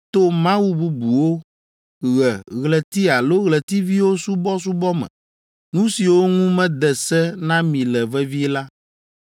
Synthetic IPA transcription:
t̪o˦mã˦wu˨bu˨bu˨wo˦ | ɣɛ˨ɣlɛ˨t̪i˦a˨lo˦ɣlɛ˨t̪i˦vi˦wo˦su˦bɔ˦s̬u˦bɔ˦mɛ̰̃˨ | nũ˦si˨wo˦ŋũ˦mɛ̃˦d̪ɛ˨sɛ˦nã˦mĩ˨lɛ˨vɛ˦vi˦la˦

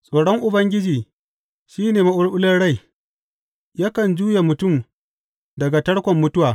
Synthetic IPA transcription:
sʼoː˨ɽɔ˦ŋʔʊ˨bɐ˦ŋɡʲɪ˦d͡ʒiː˨ | ʃiː˦neː˨ma˦ʔʊ˦ɽʔʊ˦lɐ˦ɽa˦˨j | ja˦kɐ˨nd͡ʒuː˦ja˨mʊ˨tʊ˦˨m | dɐ˨ɡa˨tɐ˦ɽkʷɔ˨mːʊ˦tʊ˦waː˨

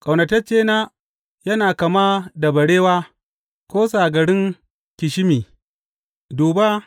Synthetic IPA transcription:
kʼa˨wnɐ˨tɐ˦t͡ʃeː˦naː˦ | jɐ˦naː˨kɐ˨maː˦da˨bɐ˨ɽeː˦waː˦ | kʷoː˦saː˨ɡɐ˨ɽɪ˦ŋ | kʲɪ˨ʃɪ˦miː˨ | duː˨ba˦

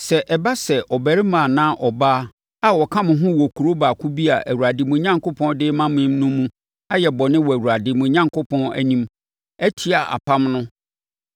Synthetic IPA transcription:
sɛ˨ʔɛ˨ba˦sɛ˨ʔɔ˨bæ˨ɾɪ˦mã˨nã˦ʔɔ˨baː˦ | a˨wɔ˨kʰã˦mʊ̃˨ɦʊ̃˦wɔ˨kʰu˨ɾo˦ba˨kʰu˦bi˦a˨ʔæ˨wu˨ɾa˨dɪ˨mʊ̃˨˦ɲã˦ŋko˦pʰɔ̃˦ndɪː˦mã˦mɪ̃˦mnʊ̃˦mũ˦ | a˦jɛ˨bɔ˨nɪ̃˦wɔ˨æ˨wu˨ɾa˨dɪ˨mʊ̃˨ɲã˦ŋkʰʊ˦pʰɔ̃˦næ̰˦nĩ˦m | æ˦tʰi˦a˨ʔa̰˨pʰã˦mnʊ̃˦

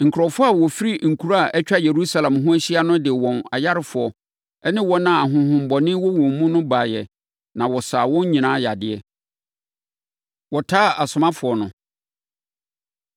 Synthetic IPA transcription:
ŋ̩˨kʰʊ˨ɾɔ˨fʊ˦a˦˨wɔ˨fi˦ɾi˦ŋ̩˨kʰu˨ɾa˦a˨ʔɛ˦t͡ɕᶣa˦je˨ɾu˦sa˨lã˨mɦʊ̃˦æ˦ɕi˦a˦nʊ̃˦dɪ˨wɔ̃˨na̰˨ja˦ɾɪ˦fʊ˨ɔ˨ | ɛ˦nɪ̃˦wɔ˦nã˦˨a˨ɦʊ̃˨hʊ̃˨m̩˨bɔ˨nɪ̃˦wɔ˦wɔ̃˨m˦mũ˦nʊ̃˦baː˨jɛ̰˨ | nã˨wɔ˨saː˨wɔ̃˦ɲ˦ɲĩ˨nãː˦ja˨dɪ˨˦ɛ˨ | wɔ˨tʰaː˦a˨sʊ˨mã˦fʊ˨ɔ˨nʊ̃˨

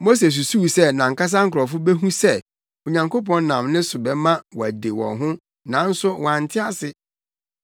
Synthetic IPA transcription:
mo˦s̬e˨s̬u˨su˦˨sɛ˦nã˨ŋ̩˦kʰa˦s̬ã˦ŋ̩˦kʰɔ˨fʊ˦be˦ɦũ˦sɛ˦˨ | o˨ɲã˨ŋkʰo˦pʰɔ̃˨n˦nã˨mnɪ̃˦sʊ˨bɛ˨mã˦wɔ˨æ˨de˨wɔ̰̃˨ɦʊ̃˦ | nã˨˦n̩˦sʊ˦w̃a˨n̩˨tʰɪ˦a˦sɪ˦

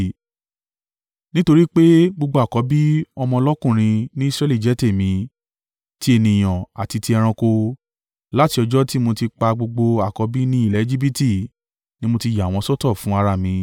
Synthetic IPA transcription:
nĩ˦to˧ɾi˦k͡pe˦ɡ͡bo˧ɡ͡bo˧a˨kɔ˨˧˦bi˦ɔ˧mɔ̃˧lɔ˦kũ˦˨ɾ̃ĩ˧nĩ˦i˦sɾɛ˦li˦˨d͡ʒɛ˨˦te˦˨mĩ˧˦ | ti˦e˧nĩ˨j̃ɔ̃˨a˨ti˧ti˧ɛ˧ɾ̃ɔ̃˧ko˧ | la˦ti˧ɔ˧d͡ʒɔ˦ti˦mo˧ti˧k͡pa˧ɡ͡bo˧ɡ͡bo˧a˨kɔ˨˧˦bi˦nĩ˦i˦˨lɛ˨˦e˦d͡ʒi˦bi˦ti˦˨ | nĩ˦mo˧ti˧ja˨w̃ɔ̃˧sɔ˦tɔ˦˨fũ˨˦a˧ɾa˦˨mĩ˧

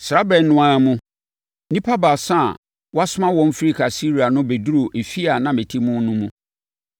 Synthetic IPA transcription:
sɾa˦bɛ̃˨n˦nʊ̃˦ã˦mũ˦ | nĩ˦pʰa˦ba˨sã̰˦˨ | wɔ˦a˦sʊ˦mã˦wɔ̃˦m˦fi˦ɾi˦kʰa˨si˦ɾi˨a˨nʊ̃˦be˨du˦ɾo˨ʔe˨fi˦a˨nã˦me˨tʰi˦mũ˦nũ˦mũ˦

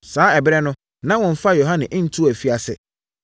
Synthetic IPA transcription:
saː˨˦ɛ˨bɪ˦ɾɛ˦nʊ̃˦ | nã˦wɔ̃˨m̩˦fa˦jo˨ɦã˦nɪ̃˨ʔɪ̃˦n̩˦tʰu˦˨æ˨fi˦a˨sɛ̰˨

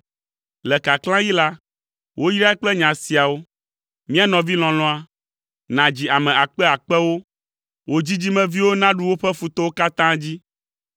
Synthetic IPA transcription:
lɛ˨ka˨klã˦ji˦la˦ | wʔo˦jɾa˦ɛ˦k͡plɛ˦ɲã˨si˨a˨wo˦ | mĩ˦a˦nɔ̃˨vi˦l̃ɔ̃˨lɔ̃˦a˦ | nã˨d͡ʑi˨a˨mɛ̃˨a˨k͡pɛ˦a˨k͡pɛ˦wo˦ | wʔo˦d͡ʑi˦d͡ʑi˦mɛ̃˦vi˦wo˦nã˦ɖu˦wo˦ɸɛ˦fu˨t̪ɔ˦wo˦ka˦t̪ã˦d͡ʑi˦

